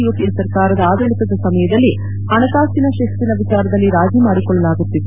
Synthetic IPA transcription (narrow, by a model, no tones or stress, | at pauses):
joːkilɐsɐɾkaːɾɐd̪ɐaːd̪ɐɭisɐd̪ɐsɐmɐjɐd̪ɐlːi | hɐnɐt̪aːsinɐʃɐkt̪inɐʋit͡ʃaːɾɐd̪ɐlːiɾaːd͡ʒimaːɽikɔɭːɐlaːɡut̪ːide